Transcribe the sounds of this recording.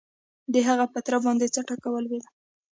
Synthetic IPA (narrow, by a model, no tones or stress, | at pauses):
d̪əɦaɣapət̪ɾabɑnd̪et͡saʈakawəlwela